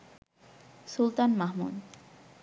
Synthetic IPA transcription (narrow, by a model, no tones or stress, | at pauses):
sult̪anmaɦmṵd̪